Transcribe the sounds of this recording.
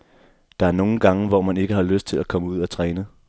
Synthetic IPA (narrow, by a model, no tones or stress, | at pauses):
d̥ɑ̈æɐno̝ːn̩ɡ̥ɑ̈ŋəʋɒmæne̝ɡ̥əhɑ̈løsd̥̚t͡sʰe̝lækʰɒ̽məuð̞̰ˠæt͡sʰʁɛːnə